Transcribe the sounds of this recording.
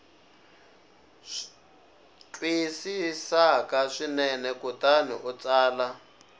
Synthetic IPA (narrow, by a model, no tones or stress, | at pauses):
t͡ɬʼwisisakaʂinɛnɛkutaniʔut͡saːla